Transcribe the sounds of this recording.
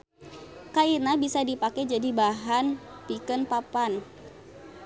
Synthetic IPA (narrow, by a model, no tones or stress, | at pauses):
kainabisadipakɛd͡ʒadibaɦanpikənpapan